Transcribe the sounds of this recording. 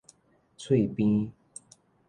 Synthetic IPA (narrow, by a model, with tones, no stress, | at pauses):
t͡sʰwe˥˨ɪpi˦n